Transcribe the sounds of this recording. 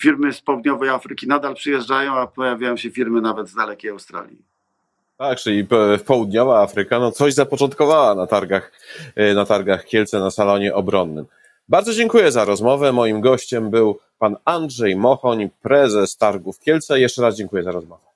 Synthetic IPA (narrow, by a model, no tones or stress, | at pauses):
fʲiɾmɘspɔwud̪ɲɔvɛjafɾɘkʲinad̪alpʂɘjɛʐɖajɔ̃w̃apɔjavʲjajɔ̃w̃ɕɛfʲiɾmɘnavɛd̪zd̪alɛkʲejawst̪ɾa̰lʲjḭ | t̪ak̚t͡ʂɘlʲippɔwud̪ɲɔvaafɾɘkanɔt̪sɔʑzapɔt͡ʂɔnt̪kɔvawanat̪aɾɡax | nat̪aɾɡaxkʲɛlt̪sɛnasalɔɲɛʔɔbɾɔnːɘ̰m | baɾd̪zɔd͡ʑɛŋkujɛzaɾɔzmɔvɛmɔjimɡɔɕt͡ɕɛmbɘw | panandʐɛjmɔxɔɲpɾɛzɛst̪aɾɡufkʲjɛlt̪sɛjɛʂt͡ʂɛɾazd͡ʑɛŋkujɛzaɾɔzmɔvɛ